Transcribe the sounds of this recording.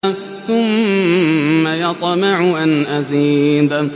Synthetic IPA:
θʊmː | ajɑt̪ˤmɪʕʊʔanʔaziːd̪

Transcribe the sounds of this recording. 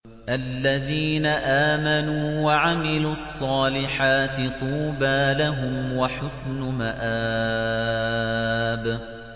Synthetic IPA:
ʔalːaðiːnaʔaːmanuːwaʕamɪluːɑsˤːɑːlɪħaːt̪ɪt̪ˤuːbaːlaɦʊmwaħʊsnmaʔaː | b

